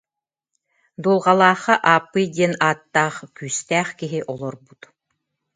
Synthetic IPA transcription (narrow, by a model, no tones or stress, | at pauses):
d̪ulˠʁalˠaːχaʔaːpːɯjd̪iɛnaːt̪ːaːχkyːst̪æːχkiɦiʔɔlˠɔɾbut̪